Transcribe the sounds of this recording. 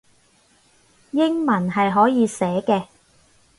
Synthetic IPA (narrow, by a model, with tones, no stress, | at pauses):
jɪ˥ŋmɐ˨˩nɦɐ˨jɦɔː˨˥jiː˨˧sɛː˨˥kɛː˧